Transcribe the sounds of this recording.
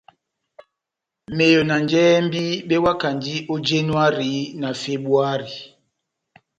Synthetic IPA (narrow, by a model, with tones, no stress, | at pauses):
me˨jo˨na˨nd͡ʒɛ˦mbi˦ɓɛ˦wa˦ka˨nd͡ʒi˦ʔo˦d͡ʒe˦nwa˦ɾi˨˦na˨fe˦bu˦a˦ɾi˨